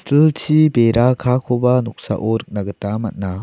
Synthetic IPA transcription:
stʰilt͡ɕʰibeɾakʰakʰobanɔk̚sa̰ʔoɾɯk̚naɡɯtamat̚na

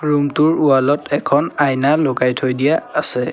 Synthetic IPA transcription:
ɹumtʊɹualɔtɛkʰɔnajnalokajtʰojdijaːsɛ

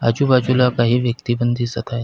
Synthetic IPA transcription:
a̰d͡ʑuːbad͡ʑulakaɦiːʋjək̚t̪ibənd̪ʱiːsət̪ʰaje

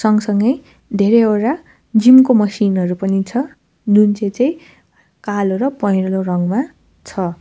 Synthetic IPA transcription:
sʌŋɡsʌŋɡʌj | d̪ʱeɾeeɾa | d͡zimkomʌsinɦʌɾupʌnit͡sʰʌ | d͡zunt͡set͡saj̃ | kaloɾʌpʌjɾlorʌŋma | t͡sʰʌ

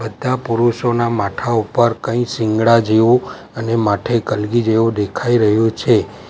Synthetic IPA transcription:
bəd̪ʱːapuɾuʃonamaʈʰaupəɾkə̃ĩsɪ̃ŋɡɭad͡ʒeʋũ | ənemaʈʰekəlɡid͡ʒeʋũd̪ekʰaiɾəɦjũt͡ʃʰe

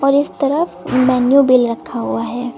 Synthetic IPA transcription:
ɔːɾɪst̪ɐɾəfmɛːnjubɪlɾɐkʰːaɦuaɦɛː

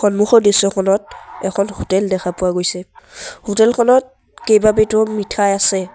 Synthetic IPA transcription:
xɔnmuxɔɹdisɔkʰɔnɔtɛ̰kʰɔnhutɛldɛkʰapʊwaɡojsɛhutɛlkʰɔnɔt̚ | kejbabetʊmitʰajasɛ

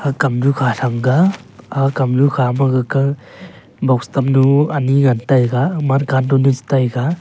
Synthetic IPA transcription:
akamɾukʰaɬamɡaakamɾukʰamaɡaka | bawstamnuaniŋantajɡamankandɔnuzi̥tajɡa

